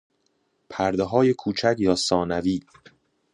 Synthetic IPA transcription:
pʰæɾd̪eɦɒːje̞kʰuːt͡ʃʰæcjɒːsɒːnæviː

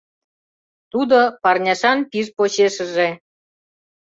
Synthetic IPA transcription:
t̪ud̪opɑrnʲɑʃɑnpiʃpoɕeʃə̆ʒe

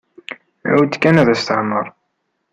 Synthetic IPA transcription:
æ̰wd̪kːænæðæst̪əʕmːəɾˤ

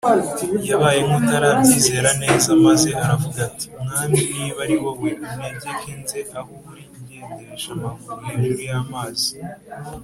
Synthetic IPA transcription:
iijaβajemutaɾamiːze̞ːɾane̞ːzamaze̞ʔaɾavuɡati̥mŋaːmiiβaɾiwoβweumneɟekinze̞ʔahokuɾiɟeːndeɾeʃamaɡuɾeniɾujamaːzi

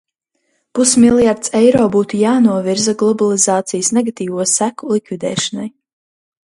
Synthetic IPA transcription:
pusmilˠjaɾt̪sɛjɾɔːbuːt̪ujaːnuɔviɾzaɡlˠɔbalˠizaːt̪sijsneɡat̪iːvuɔsækulˠikvid̪ɛ̰ːʃanaj

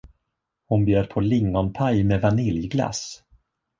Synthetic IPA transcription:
hʊnbjœːɾpʰɔlɪŋːɔnpʰajmevanɪljɡla̰s

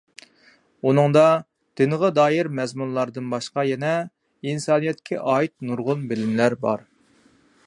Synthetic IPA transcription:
unɨŋd̪ɑ | d̪̥ɪnəʁəd̪ɑːjɪɾmɛzmunlˠɑɾd̪ɨnbɑʃqɑjɛnɛ | insɑːnijɛt̪̚kʲʰɛʔɑːit̪̚nuɾʁʊnbɪlɪmlæɾbɑ̰ɾ

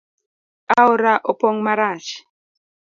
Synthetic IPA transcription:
aɔɾaʔɔpɔŋmaɾaʃi̥

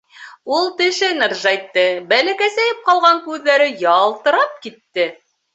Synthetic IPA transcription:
ulˠt̪ɘ̆ʃɘnɤrʒɑjt̪ːɤbælækæsæjɘp̚qɑlˠʁɑŋkʉðːæɾɘjɑlˠt̪ɤ̆ɾɑp̚kit̪ːɘ

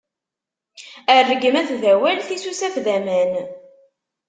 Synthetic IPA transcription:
ərːəɡəmæθvæwælθisusæfðæmæn

